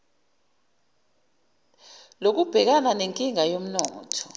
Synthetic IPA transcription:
lok̬ub̥ʱɛk̬ananeŋkʼiŋajom̩nɔːtʰɔ̥

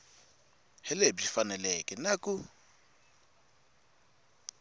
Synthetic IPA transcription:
hɛlebifanɛlɛkʼɛnaku

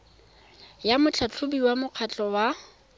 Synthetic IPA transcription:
jamʊt͡ɬʰat͡ɬʰʊbiwamʊq͡χʰat͡ɬʼɔwa

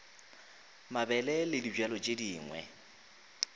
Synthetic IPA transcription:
mabɛlɛlɪdid͡ʒwalɔt͡ʃʼediːŋwɛ̰

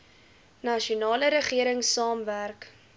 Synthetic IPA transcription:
nɐʃiunɑːləɾəχiəɾəŋsɑːmværk

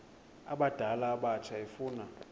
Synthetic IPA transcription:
a̰ɓad̥ʱalaːɓat͡ʃʰaefuːna

